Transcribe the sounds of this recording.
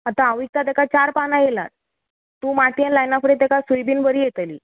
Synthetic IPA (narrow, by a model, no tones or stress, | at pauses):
at̪ãəʋik̚t̪at̪̬ekat͡ɕaɾpanajela̰t̪ | t̪ːũːmaʈijanlajnafəɾet̪̬ekasujbiːnbəɾiːjet̪lḭː